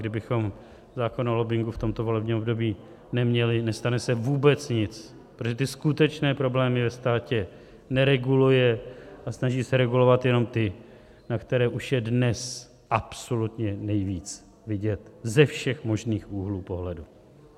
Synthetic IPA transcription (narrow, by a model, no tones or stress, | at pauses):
ɡdɪbɪxo̞m | zaːko̞nolo̞bɪŋɡuft̪o̞mt̪o̞vo̞lɛbɲimobdo̞biː | nɛmɲɛlɪnɛst̪anɛsɛvuːbɛt͡sɲɪt͡s | pɾot̪ʒɛt̪̬ɪskut̪ɛt͡ʃnɛːpɾo̞blɛːmɪvɛst̪aːcɛ | nɛɾɛɡulujɛʔasnaʒiːsɛɾɛɡulo̞vat̪jɛno̞mt̪ɪ | nakt̪ɛɾɛːʔuʃjɛdnɛs | ʔapso̞lut̪ɲɛnɛjviːt͡s | vɪɟɛt̪zɛfʃɛxmo̞ʒniːxʔuːɦluːpo̞ɦlɛdu